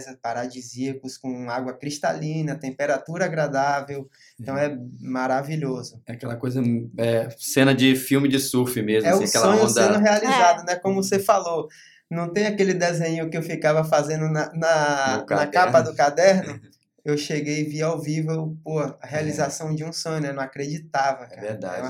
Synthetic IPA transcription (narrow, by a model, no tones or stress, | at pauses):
zɐpaɾad͡ʒiziɐkʊskõaɡwɐkɾiʃt̪a̰lĩnɐt̪ẽmpeɾat̪uɾɐaɡɾad̪avew | ẽt̪ɐ̃w̃ɛmaɾaviʎozʊɛakɛlɐkojzɐɛsẽnɐd͡ʒɪfiwmɪd͡ʒɪsufɪmezmɛʊaskɛlõɲʊsẽnʊɦealizad̪ʊnɛkõmʊsefalo | nɐ̃w̃t̪ẽj̃akelɪd̪ezẽɲʊkɪewfikavɐfazẽnd̪ʊnɐnɐknɐkapɐd̪ʊkad̪ɛɾnʊ | ewʃeɡejviawvivewpohɐɐɦealizasɐ̃w̃d͡ʒɪũsõɲʊnɛnɐ̃w̃akɾed͡ʒit̪avɐkɛaɾvḛɾd̪a̰